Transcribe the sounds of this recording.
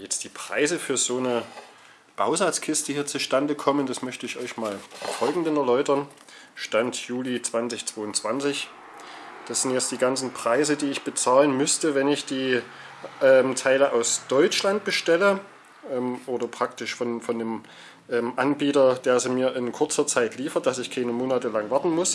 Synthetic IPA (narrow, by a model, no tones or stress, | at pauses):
jɛt͡st̚d̥iːpʁ̥aɪzəfyːɐzoːnə | b̥aʊzat͡skʰɪstəhiːɐt͡suʃtandəkʰɔməndasmœçtəɪçʔɔʏçmaːlfɔlɡŋ̩dənɛɐlɔʏtɐn | ʃtantjuːlit͡sv̥ant͡sɪçt͡sv̥oːʊntt͡sv̥ant͡sɪç | d̥asz̥ɪntjɛt͡std̥iːɡant͡sn̩pʁ̥aɪzədiːɪçb̥ət͡saːlənmʏstəvɛnɪçd̥iː | ʔɛːmtʰaɪləʔaʊsd̥ɔʏt͡ʃlant̚b̥əʃtɛlə | ʔɛːmʔoːdɐpʁ̥ak̚tɪʃfɔnfɔndeːm | ʔɛːmʔanbiːtɐd̥eːɐzimiːɐʔɪnkʰʊɐt͡sɐt͡saɪtliːfɐt̚d̥asɪçkʰaɪnəmoːnatəlaŋvaɐtn̩mʊs